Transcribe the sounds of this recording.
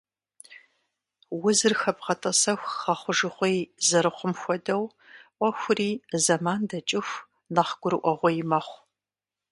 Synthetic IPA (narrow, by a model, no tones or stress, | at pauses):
wʊzɨrxɐbʁɐtʼɐsɐxʷχɐχʷʊʒɨχʷejzɐɾɨχʷʊmxʷɔdɐw | ʔʷɔxʷʊriːzɐmaːndɐt͡ʃʼɪxʷ | nɐχɡ̥ʷʊɾɨʔʷɔʁʷɔjɪmɐχʷ